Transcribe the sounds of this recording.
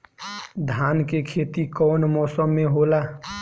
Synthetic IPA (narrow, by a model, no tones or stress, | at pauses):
d̪ʱaːnkekʰeːt̪ikɔːnmɔːsəmːẽɦoːlaː